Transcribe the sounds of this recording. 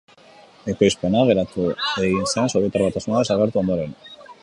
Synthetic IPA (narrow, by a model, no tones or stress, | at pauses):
ekojsponaɣeɾat̪ueinsansoβet̪aɾβat̪asunaðesaɣ̞eɾt̪uo̞nd̪oɾen